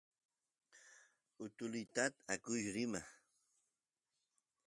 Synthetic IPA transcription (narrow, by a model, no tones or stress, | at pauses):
ʊt̪ʊlɪt̪at̪akʊʃɾɪma